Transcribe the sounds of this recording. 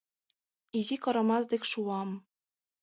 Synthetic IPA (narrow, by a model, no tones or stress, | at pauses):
izikɤ̆ɾɤ̆mɑzd̪ekʲʃuɑm